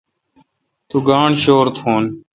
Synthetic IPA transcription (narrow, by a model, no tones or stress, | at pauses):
t̪uːɡaːɳʃoːɾt̪ʰoːn